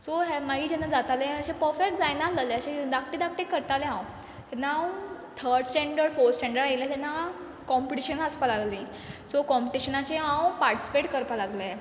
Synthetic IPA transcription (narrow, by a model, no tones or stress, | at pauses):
soɦemaɡiːd͡ʑɛnːad͡zat̪alẽəɕẽpəɾfek̚ʈd͡zajnaləleəɕẽd̪akʰʈid̪ak̚ʈekːəɾt̪alẽãw | hɛnaw | t̪ʰəɾɖsʈẽɳɖəɾfosʈɛ̃ɳɖəɾajlat̪ɛnːa | kɔmpiʈiɕənaspalallĩ | sokɔmpiʈiɕənat͡ɕẽãwpaɾʈisi̥peʈkəɾpalaɡle